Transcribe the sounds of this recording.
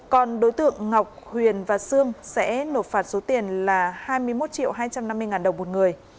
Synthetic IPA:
kɔ˨˩nɗo˨˦jt̪ɨ̰˧˨əŋŋa˨˩wk͡p̚hwi˨˩ənvaː˨˩sɨ˧əŋsɛ̰˧˥no˨˩t̚faː˨˩t̚so˨˦t̪i˨˩ənlaː˨˩haː˧jmɨ˧əjmo˦˥t̚t͡ɕḭ˧˨wɦaː˧jt͡ɕa˧mna˧mː˧əjŋaː˨˩nɗə˨˩wŋ͡mmo˨˩t̚ŋɨ˨˩əj

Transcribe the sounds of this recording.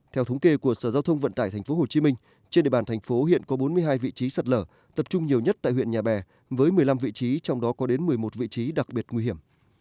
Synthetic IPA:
t̪ʰɛ˧wt̪ʰə˨˦wŋ͡mke˧ku˧˩əsəː˧˩zaː˧wt̪ʰə˧wŋ͡mvə̰˧˨nt̪aː˧˩jt̪ʰŋ̟fo˨˦ɦo˨˩t͡ɕi˨˦mï˧ŋ̟ | t͡ɕe˧nɗḛ˧˨ɓaː˧˩nt̪ʰa˨˩ŋ̟fo˨˦hḭ˧˨ənkɔ˨˦ɓo˨˦nmɨ˧əjɦaː˧jvḭ˧˨t͡ɕi˨˦sə˨˩t̚ləː˧˩ | t̪ə˨˩p̚t͡ɕʊ˧ŋ͡mɲi˨˩əwɲə˦˥t̚t̪a̰ː˧˨jhwḭ˧˨ə˨ɲaː˨˩ɓɛ˨˩ | vəː˨˦jmɨ˨˩əjla˧mvḭ˧˨t͡ɕi˨˦t͡ɕɔ˧wŋ͡mɗɔ˨˦kɔ˨˦ɗe˨˦nmɨ˨˩əjmo˨˩t̚vḭ˧˨t͡ɕi˨˦ɗa˨˩k̚ɓi˨˩ət̚ŋwi˧ɦi˧˩əm

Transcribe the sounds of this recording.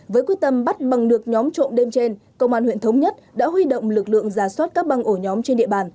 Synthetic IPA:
vəː˨˦jkwi˦˥k̚t̪ə˧˩mɓa˦˥t̚ɓa˨˩ŋɗɨ˨˩ək̚ɲɔ˨˦mt͡ɕo̰˧˨nɗe˧mt͡ɕe˧n | kə̰˧wŋ͡mʔaː˧˩nhwḭ˧˨nt̪ʰwŋ͡mɲə˦˥t̚ɗa̰ː˧˥ɦwi˧ɗo̰˧˨wŋ͡mlɨ˨˩k̚lɨ̰˧˨əŋzaː˧˩swaː˦˥t̚kaː˦˥k̚ɓa˧˩ŋʔo˧˩ɲɔ˨˦mt͡ɕe˧nɗḭ˧˨əɓaː˨˩n

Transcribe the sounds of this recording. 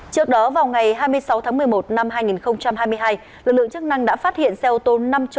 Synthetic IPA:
t͡ɕɨ˦˥ək̚ɗɔ˨˦vaː˨˩wŋa˨˩jɦaː˧jmɨ˧əjsa˨˦wt̪ʰaː˨˦ŋmɨ˨˩əjmo˨˩t̚na˧mɦaː˧jŋi˨˩nxə˧wŋ͡mt͡ɕa˧mhaː˧jmɨ˧əjɦaː˧j | lɨ˨˩k̚lɨ̰˧ə˨ŋt͡ɕɨ˦˥k̚na˧ŋɗa̰ː˧˥faː˦˥t̚hḭ˧˨ənsɛ˧ʔo˧t̪o˧na˧mt͡ɕ

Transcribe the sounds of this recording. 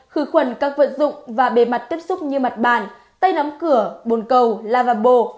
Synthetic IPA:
xɨ˨˦xwə˨˩nkaː˦˥k̚və̰˧˨nzʊ̰˧˨ŋ͡mvaː˨˩ɓe˨˩ma˨˩t̚t̪i˦˥əp̚sʊ˦˥k͡p̚ɲɨ˧ma˨˩t̚ɓaː˨˩n | t̪a˧jna˨˦mkɨ˧˩əɓo˨˩nkə˨˩wlaː˧vaː˧˩ɓo˧˩

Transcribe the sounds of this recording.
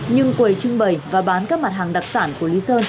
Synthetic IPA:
ɲɨ˧ŋkwə˨˩jt͡ɕɨ˧ŋɓə˨˩jvaː˨˩ɓaː˨˦nkaː˦˥k̚ma˨˩t̚ɦaː˨˩ŋɗa˨˩k̚saː˧˩nku˧˩əli˨˦səː˧n

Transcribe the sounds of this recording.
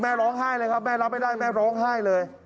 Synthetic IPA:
mɛː˥˩ɾɔː˦˥ŋɦaː˥˩jlɤː˧jkʰa˦˥p̚mɛː˥˩ɾa˦˥p̚ːa˧˩jdaː˥˩jmɛː˥˩ɾɔː˦˥ŋɦaː˥˩jlɤː˧j

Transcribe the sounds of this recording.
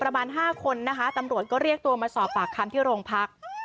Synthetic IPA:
pɾa˧maː˧nɦaː˥˩kʰo˧nːa˦˥kʰa˦˥t̪a˧mɾu˨˩ət̪̚kɔː˥˩ɾi˥˩ək̚t̪u˧ɐmaː˧sɔː˨˩pːaː˨˩kʰːa˧mt̪ʰiː˥˩ɾoː˧ŋpʰa˦˥k̚

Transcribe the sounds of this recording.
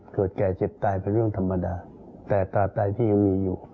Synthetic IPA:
kɤː˨˩t̪̚kɛː˨˩t͡ɕe˨˩p̚t̪aː˧jpe˧nɾɯ˥˩əŋt̪ʰa˧mːa˧daː˧ | t̪ɛː˨˩t̪aː˧p̚t̪aː˧jt̪ʰiː˥˩ja˧ŋmiː˧juː˨˩

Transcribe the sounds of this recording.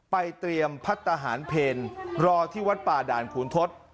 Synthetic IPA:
pa˧jt̪ɾi˧əmpʰa˦˥t̪̚ːʰa˧ɦaː˩˦npʰeː˧nɾɔː˧t̪ʰiː˥˩wa˦˥t̪̚paː˨˩daː˨˩nkʰuː˩˦nt̪ʰo˦˥t̪̚

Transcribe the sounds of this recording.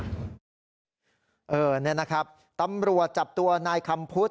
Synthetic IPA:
ʔɤː˧ni˦˥˨na˦˥kʰɾa˦˥p̚ | t̪a˧mɾu˨˩ət̪̚t͡ɕa˨˩p̚t̪u˧ɐnaː˧jkʰa˧mpʰu˦˥t̪̚

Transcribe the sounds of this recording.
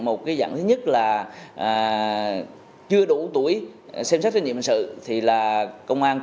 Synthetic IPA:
mo˨˩t̚kaː˨˦jza̰ː˧˩ŋt̪ʰɨ˨˦ɲə˦˥t̚laː˨˩ʔː | t͡ɕɨ˧əɗu˧˩t̪u˧˩əjsɛ˧msa˦˥t̚ːɲḭ˧˨m˨˩ŋsɨ̰˧˨t̪ʰi˨˩laː˨˩kə˧wŋ͡mʔaː˧n

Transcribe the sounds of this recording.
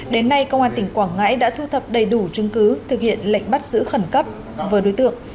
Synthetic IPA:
ɗe˨˦nːa˧jkə˧wŋ͡mhʔaː˧t̪ï˧˩ŋ̟kwaː˧˩ŋŋːa̰ː˧˥jɗa̰ː˧˥t̪ʰu˧t̪ʰə˨˩p̚ɗə˨˩jɗu˧˩t͡ɕɨ˧ŋkɨ˨˦t̪ʰɨ˨˩k̚hḭ˧˨ənlə̰˧˨jŋ̟ɓa˦˥t̚zɨ̰˧˥xə˧˩nkə˦˥p̚ | vəː˨˦jɗo˨˦jt̪ɨ̰˧˨əŋ

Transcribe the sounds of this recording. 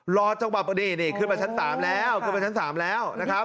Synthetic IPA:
lɔː˧˩t͡ɕa˧ŋwa˨˩p̚niː˧˩niː˧˩kʰɯ˧˩nwa˧˩t͡ɕʰnsaː˩˦mlɛː˦˥wkʰɯ˧˩˨nba˧˩t͡ɕa˦˥nsaː˩˦mlɛː˦˥wna˦˥kʰa˦˥p̚

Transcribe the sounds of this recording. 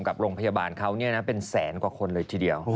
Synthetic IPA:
mka˨˩p̚ɾoː˧ŋpʰa˧jaː˧baː˧nkʰa˦˥wni˥˩na˦˥pe˧nsɛː˩˦nkwaː˨˩kʰo˧nlɤː˧jt̪ʰiː˧˩di˧əw

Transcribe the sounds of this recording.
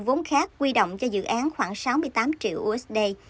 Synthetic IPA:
vo˨˦nxaː˦˥k̚ːwi˧ɗo̰˧˨wŋ͡mt͡ɕɔ˧zɨ̰˧˨ʔaː˨˦nxwaː˧˩ŋsa˨˦wmɨ˧əjt̪aː˨˦mt͡ɕḭ˧˨əwʔu˧ʔɛ˦˥sɗe˧

